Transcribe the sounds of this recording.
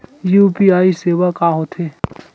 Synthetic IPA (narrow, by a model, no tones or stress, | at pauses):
juːpiaːiseːʋakaːɦot̪ʰeː